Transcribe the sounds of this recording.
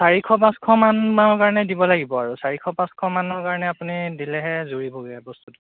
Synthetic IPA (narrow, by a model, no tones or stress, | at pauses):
saɹikʰɔp̬ãskʰɔmanaɔkaɹɔnɛdibɔlaɡibɔaɹusaɹikʰɔpãskʰɔmanɔɹkaɹɔnɛapunidilɛɦɛzuɹiboɡɛbɔstut